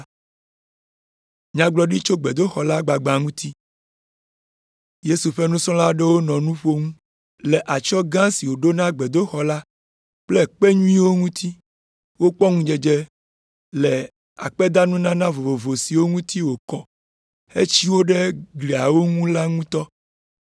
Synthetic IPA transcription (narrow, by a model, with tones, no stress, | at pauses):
ɲã˦ɡ͡blɔ˦ɖi˦t͡ʃo˦ɡ͡be˨d̪o˦xɔ˨la˦ɡ͡ba˨ɡ͡ba˨ŋũ˦t̪ʰi˦ | je˦su˨ɸe˦nũ˦sɔ̃˦la˦ɖe˦wo˦nɔ̃˨nũ˦ɸo˦ŋũ˦ | lɛ˨ʔa˨t͡ʃɔ˦ɡã˦si˨wo˨ɖo˦nã˦ɡ͡be˨d̪o˦xɔ˨la˦ | k͡plɛ˦k͡pe˦ɲũ˦ĩ˦wo˦ŋũ˦t̪ʰi˦ | wo˦k͡pɔ˦ŋũ˦d͡ʒe˨d͡ʒe˦ | lɛ˨ | a̰˨k͡pɛ˦d̪a˦nũ˦nã˦nã˦vo˨vo˨vo˨si˨wo˦ŋũ˦t̪i˦wo˨kɔ˨ | ḛ˦t͡ɕi˦wo˦ɖe˦ɡli˨a˨wo˦ŋũ˦la˦ŋũ˦t̪ɔ˦